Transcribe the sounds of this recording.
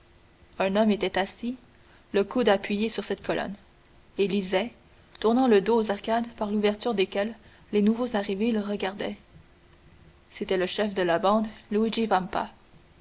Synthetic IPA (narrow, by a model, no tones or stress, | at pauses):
ɛ̃nɔmet̪ɛt̪asi | ləkud̪apɥijesyʁsɛt̪kɔlʔɔ̰n | elizɛ | t̪uʁnɑ̃ləd̪oːzaʁkad̪paʁluvɛʁt̪yʁd̪ekʲɛlː | enuvozaʁiveləʁəɡaʁd̪ɛ | set̪ɛləʃɛfd̪əlabɑ̃d̪luid͡ʒivãmpa̰